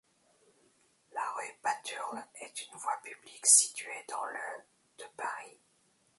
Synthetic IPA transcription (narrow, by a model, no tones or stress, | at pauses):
laʁybat̪ʰyʁɛt̪ynvwapybliksi̥t̪ɥed̪ɑ̃lə | d̪̥əpaʁi